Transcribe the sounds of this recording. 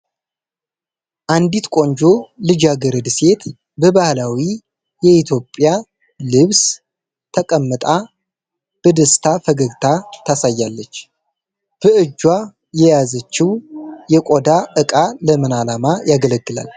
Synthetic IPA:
ʔand̪it̪kʷʼo̞ɲd͡ʒo̞lɨd͡ʒaɡəɾəd̪se̞t̪ | bəbahlawi | jɛit̪ʰjo̞pʼːja | lɨβs | t̪ʰəkʼəmːɨt̪ʼa | b̥əd̪əst̪ʰafəɡəɡt̪ʰat̪ʰasajːalːət͡ʃː | b̥əʔɨd͡ʒːwa | jɛjazət͡ʃːɪwjɛkʼod̪aʔɨkʼaləmɨnalamajaɡələɡːɨla̰l

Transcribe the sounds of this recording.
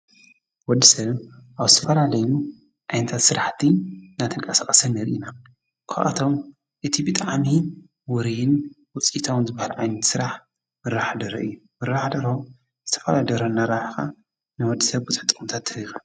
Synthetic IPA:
wɔd̪ːisɐβʔaβzɨt̪ʰɐfɐlalɐju | ʔʕajnɐt̪ʰat̪sɨɾaħt̪ʰinat̪ʰɨnkʼɐsaχʼɐsɨnːɨɾʔina | kʰa̰ʔa̰t̪ʰo̞m | ʔɨt̪ʰibɨt̪ʼaʕmi | wɔɾijɪn | wʊt͡sʼit̪ʰawɨnzɨbːahalʕajnɐt̪sɨɾaħ | mɨɾaħd̪ɐɾɐʔɨjːumɨɾaħd̪ɐɾo | zɨt̪ʰɐfɐd̪ad̪ɐɾonːaɾaħka | nɨwɔd̪ːisɐβɡɨt͡sʼħɨ̥t̪ʼɨxʼɨmt̪ʰat̪ʰːɐixa

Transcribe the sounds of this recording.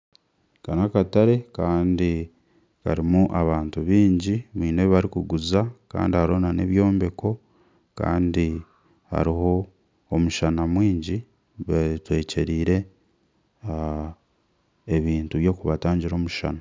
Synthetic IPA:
kanakataɾe̞kaːndi | kaɾimuʔaβaːntuβiːɲɟimiːneβaɾikuɡuzaka̰ːndihaɾo̞ːnane̞̰βjo̞ːmbe̞ko̞ | ka̰ːndi | ha̰ɾiɦo̞ː | muʃanamwiːɲɟi | βatwe̞ːce̞ɾiːɾe̞ | eβiːntuβjo̞ːkuβataːɲɟiɾo̞ːmuʃa̰na

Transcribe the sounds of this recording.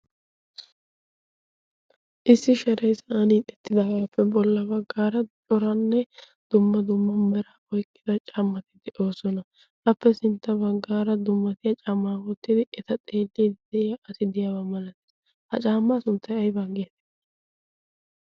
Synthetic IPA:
ʔɪsːɪʃɐɾɛjsɐaːnit̪ʼɛt̪ːɪd̪ɐɡaːpːɛbɔlːɐbɐɡːaːɾɐt͡ʃʼɔɾɐnːɛ | d̪̥ʊmːɐd̪ʊmːɐmɛɾɐɔjkʼːɪd̪ɐt͡ʃʼɐmːɐt̪ɪd̪ɛʔo̞ːsɔnɐ | ʔɐpːɛsɪnt̪ːɐbɐɡːaːɾɐd̪ʊmːɐt̪ɪjɐt͡ʃʼɐmːaːwɔt̪ːɪd̪ɪʔɛt̪ɐt̪ʼe̞ːlːid̪ɛɪjɐʔɐsɪd̪ɪjawɐmɐlɐt̪ː | hɐt͡ʃʼaːmːasʊnt̪ːɐjɐjbɐɡeːt̪ɛ̥

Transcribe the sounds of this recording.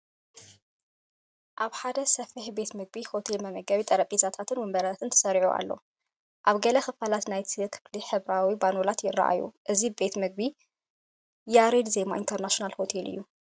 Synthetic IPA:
ʔaβħad̪ɐsɐfɨħbe̞t̪mɨɡ̚biho̞t̪ʰe̞lmɐmɐɡɐβit̪ʼɐɾɐpʼizat̪ʰat̪ʰɨnwɨmbɐɾaat̪ʰɨnt̪ʰɐ̥sɐɾʕuʔa̰lːo̞̰ | ʔaβɡɐlɐxɨfalat̪najt̪ʰikʰɨ̥fliħɨβɾawibanolat̪jɪrːa̰ʔa̰jṵʔɨzibe̞t̪mɨɡ̚bi | jaɾed̪ze̞ma̰ʔḭnt̪ʰɐɾnaʃonalho̞t̪ʰe̞lɨ̰jːu

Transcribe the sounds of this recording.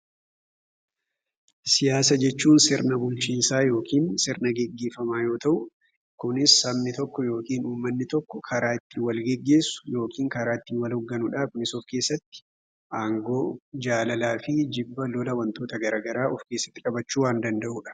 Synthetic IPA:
sɪjaːsɐd͡ʒɛt͡ʃːuːnsɪɾnɐbʊlt͡ʃiːnsaːjo̞ːkʰiːnsɪɾnɐɡɛɡːe̞ːfɐmaːjo̞ːt̪ɐʔʊ | kʊnɪsɐmnɪt̪ɔkːɔjo̞ːkiːnuːmːɐnːɪt̪ɔkːɔkʰɐɾaːɪt̪ːɪwɐlɡɛɡːe̞ːsːʊ̥jo̞ːkiːŋkɐɾaːɪt̪ːiwɐlɔɡːɐnʊᶑaːkʊnɪsɔfke̞ːsːɐt̪ːɪ̥ | ʔaːŋɡoːd͡ʒaːlɐlaːfɪd͡ʒɪbːɐlɔlɐwɐnt̪o̞ːt̪ɐɡɐɾaːɡɐɾaːɔfke̞ːsːɐ̥t̪ːɪkʼɐbɐt͡ʃːuːwaːnd̪ɐnd̪ɐʔʊᶑɐ̥

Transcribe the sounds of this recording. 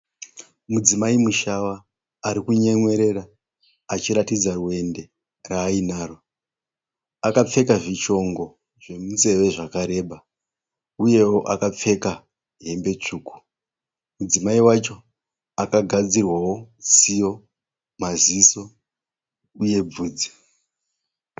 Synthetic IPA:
mud͡zimaimuʃawaː | ɾikuɲe̞ŋwe̞ɾe̞raː | t͡ʃiɾatid͡zarue̞nde̞ | raːinaːro̞ | akap͡fe̞kaʐit͡ʃo̞ŋɡo̞ | ʐe̞muze̞ʋe̞ʐakaɾe̞ɓa | uje̞wo̞ʔakap͡fe̞ka | ɦe̞mbe̞t͡ʂuːku̥ | mud͡zimaiwat͡ʃo̞ | akaɡʱad͡zirwawo̞sijo̞ | maziso̞ | uje̞b͡vuːd͡zi̥

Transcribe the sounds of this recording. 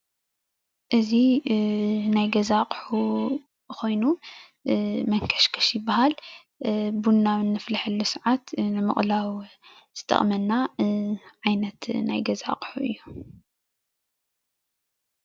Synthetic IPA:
ʔɨzi | najɡɐzaqʼħu | ko̞jnu | mɐŋkʰɐ̥ʃkʰɐ̥ʃjɪbːahal | bunːawɨnːɨflaħɨlːusɨʕat̪nɨmɨ̰χʼlaw | z̥ɨt̪ʼʰɐ̰χʼmɐnːa | ʕajnɐt̪na̰jɡɐza̰qʼħuʔɨ̰jːu

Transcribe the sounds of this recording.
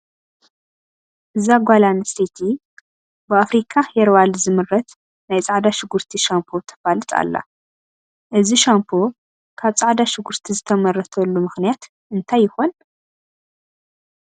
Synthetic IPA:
ʔɨzaɡʷalanisit̪ʰi | bɨafɾikʰaheɾwalzɨmɨrɐt̪ | najt͡sʼaʕd̪aʃɪɡuɾt̪ʰiʃampʰot̪ʰɐ̥falɨt̪ʼa̰lːa̰ | ʔɨziʃampʰo | kʰaβt͡sʼaʕd̪aʃɪɡuɾt̪ʰizɨt̪ʰɐmɐrːɐt̪ʰɐlːumɨxnijat̪ | ʔɨnt̪ʰajːɪxon

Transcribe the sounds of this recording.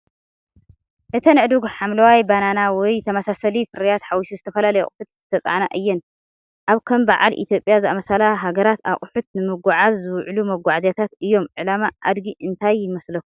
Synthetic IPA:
ʔɨt̪ʰɐnɨʔd̪uɡħamlɐwajbananawɔjt̪ʰɐmasasɐlifɨɾijat̪ħawisuzɨt̪ʰɐfɐlalɐjɛ̰kʼʊħut̪̚zɨt̪ʰɐt͡sʼa̰ʕnaʔɨjːɛn | ʔaβkʰɐmbaʕa̰lʔḭt̪ʰjo̞pʼjazɨamɐsalaɦaɡɐɾat̪aχʼħut̪̚nɨmɨɡaʕazːɨwʕlumɐɡʷaʕzjat̪ʰat̪ɨjːo̞mʕɨlamaʔa̰d̪ɡiʔɨnt̪ʰajːɪmɐslɐkːu̥

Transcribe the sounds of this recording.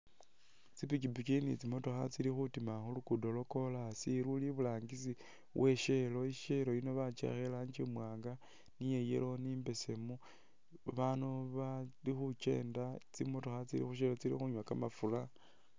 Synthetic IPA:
t͡sipikibut͡ʃinḭt͡simo̞to̞xat͡silixutimaxulukudo̞lo̞ko̞lasiɾuliβulaːŋɡisi | wʔe̞ʃe̞lo̞iʃe̞lo̞ino̞βat͡ʃḛxelaɲt͡ʃimwaːŋɡa | nijejḛlo̞nimbe̞semu | βanuβalixut͡ʃe̞̰ːndat͡simo̞to̞xat͡silḭxuʃ̬elot͡silḭxuɲwakamafula

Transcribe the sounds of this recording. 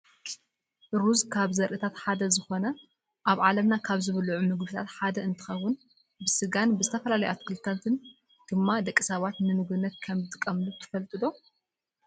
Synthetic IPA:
ɾuzkʰaβzɐɾʔɨt̪ʰat̪ħad̪ɐzɨxo̞nɐ | ʔaβʕalɐmnakʰaβzɨβɐluʕumɨɡbɨt̪ʰat̪ħad̪ɐɨnt̪ʰɨ̥xɐwːʊn | bɨsɨɡanbɨzɨt̪ʰɐfɐlalɐjat̪kʰɨlt̪ʰɐt̪ʰɨn | d̪̥ɨmːad̪ɐkʼːisɐβat̪nɨmɨɡɨnːɐt̪kʰɐmɨt̪ʰʼɨkʼːɐmlut̪ʰɨ̥fɐlt̪ʼɨd̪o̞

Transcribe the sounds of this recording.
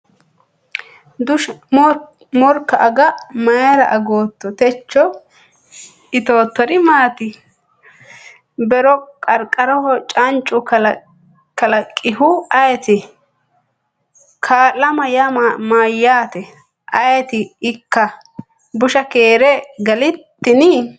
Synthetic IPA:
d̪ʊ | mɔɾkːɐʔːɡɐmɐjɐɾɐʔɐɡoːt̪ːɔt̪ɛt͡ʃːɔ | ɪt̪oːt̪ːɔɾɪmaːt̪ɪ | bɛɾɔkʼɐɾkʼɐɾɔhɔt͡ʃʼɐnt͡ʃʼːʊkɐl | kɐlɐkʼːɪhʊɐjɛt̪ɪ | kʰaːlːɐmɐjɐmaːjːaːt̪ɛ | ʔɐjɛt̪ɪɪkːɐ | bʊʃɐkeːɾɛɡɐlɪt̪ːɪnɪ

